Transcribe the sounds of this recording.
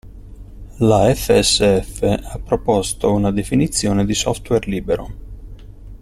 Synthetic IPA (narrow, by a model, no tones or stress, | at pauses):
laɛfːeɛsːeɛfːeapːɾopɔst̪ounad̪efinit̪sːjoːned̪isɔft̪werliːbeɾo̰